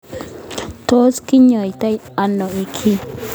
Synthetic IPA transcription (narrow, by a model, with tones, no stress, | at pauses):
t̪oː˦skɪ˦ɲːɔ˨jt̪ɐ˦jɐnːɔɪkʰːi